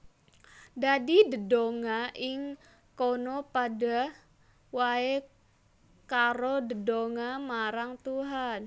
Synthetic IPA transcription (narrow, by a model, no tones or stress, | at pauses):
dadidədoŋaʔɪŋ | konopada | wae | kaɾodədoŋamaɾaŋt̪uɦan